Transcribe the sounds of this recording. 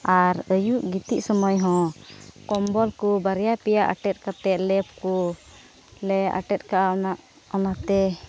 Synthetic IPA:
aɾəjuʔɡit̪iʔsɔmɔjɦɔ̃kɔmbɔlkubaɾjapɛjaʔa̰ʈɛt̪̚ˀkat̪ɛʔlɛpku | lɛʔa̰ʈɛt̪̚kaʔanaʔ | ɔnat̪ɛ

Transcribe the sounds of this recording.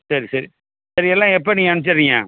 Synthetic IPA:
sɐɾisɐɾi | sɐɾiɛlːãːɛp̬ːɐnĩːɐnɯt͡ʃːɐɾɪŋã̰ː

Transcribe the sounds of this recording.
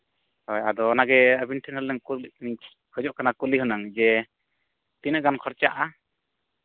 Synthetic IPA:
hɔjad̪ɔnaɡɛəbinʈʰinɦəlɛŋk | hʰɔd͡ʒɔʔkanakuliɦɯnaŋd͡ʒɛ | t̪inəʔɡankʰɔɾt͡ʃa̰ʔa

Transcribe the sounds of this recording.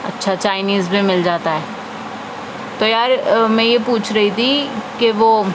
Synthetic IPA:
ɐ̰tːʃʰat͡ʃaːɪniːzbʱimɪld͡ʒaːt̪aɦɛː | t̪ojaːɾmɛ̃jepuːt͡ʃʰɾɐɦit̪ʰikeʋoː

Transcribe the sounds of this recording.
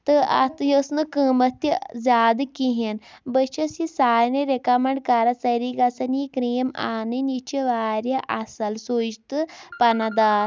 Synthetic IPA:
t̪ɨʔa̰t̪ɨjəsnɨkəmɐt̪izʲaːd̪ɨkiɦenbət͡ʃɐsisaːjneɾekamɐɳɖkaɾɐt͡sɐɾikɐsɐnikɾeːmaːnɨnit͡ʃiʋaːɾjɐʔasɐlsod͡ʒt̪ɨpɐnɐd̪aːɾ

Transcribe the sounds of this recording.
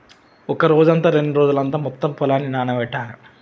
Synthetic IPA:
ɔkɐɾoːd͡ʒɐnt̪aːɾe̞ɳɖuɾoːd͡ʒulɐnt̪aːmɔt̪ːɐmpɔlaːnːinaːnɐʋɛʈːaːɾu

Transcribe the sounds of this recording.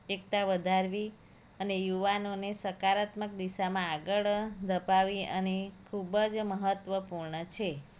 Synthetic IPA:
ek̚t̪aʋəd̪ʱaɾʋi | ənejuʋanonesəkaɾat̪mək̚d̪isamãaɡəɭd̪ʱəpaʋiənekʰubəd͡ʒməɦət̪ʋəpuɾɳət͡ʃʰe

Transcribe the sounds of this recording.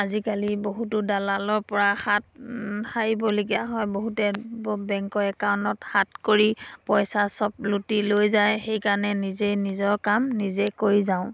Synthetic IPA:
azikaliboɦutʊdalalɔɹpɔɹaxatxaɹibɔlok̬iaɦɔjboɦutɛbɛŋkɔɛkawnɔthatkoɹipɔjsasɔp̚lutilojzajxejkaɹɔnɛnizenizɔɹkamnizekoɹizaʊ̃

